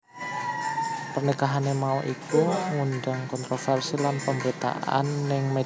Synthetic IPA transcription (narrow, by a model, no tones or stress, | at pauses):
pərnikaɦanemauʔikuŋund̪aŋkɔnt̪ɾofɛrsilanpəmbəɾit̪a̰ʔa̰nːɪŋme